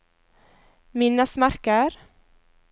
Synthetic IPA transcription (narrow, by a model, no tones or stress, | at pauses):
mɪnːasmaɾkaɾ